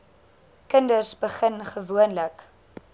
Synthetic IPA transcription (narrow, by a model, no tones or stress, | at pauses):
kəndərsbəχənχəvuənlək